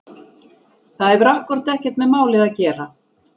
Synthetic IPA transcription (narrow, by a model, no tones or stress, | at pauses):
θaðɛvʏɾahkvʏɾ̥t̪ɛhcɛt̪mɛðmaːwlɪðaðcɛːɾa